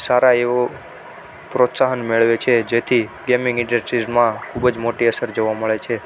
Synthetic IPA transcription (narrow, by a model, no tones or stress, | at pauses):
saɾaeʋo | pɾot̪saɦənmeɭʋet͡ʃʰed͡ʒet̪ʰiɡemɪ̃ŋɡɪ̃ɖəsʈɾizmãkʰubəd͡ʒmoʈiəsəɾd͡ʒoʋaməɭet͡ʃʰe